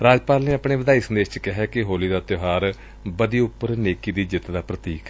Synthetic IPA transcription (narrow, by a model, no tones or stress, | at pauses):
ɾaːd͡ʒpaːlneːapɽeːʋɪd̪aːiːsənd̪eːʃt͡ʃkɪɦɛːkɪɦoːliːd̪aːt̪ɪɦaːɾ | bəd̪iːʊpːəɾneːkiːd̪iːd͡ʒɪt̪d̪aːpɾət̪iːk